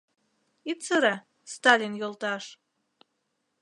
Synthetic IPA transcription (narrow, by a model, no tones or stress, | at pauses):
it̪səɾɑ | st̪ɑlʲinjolˠt̪ɑʃ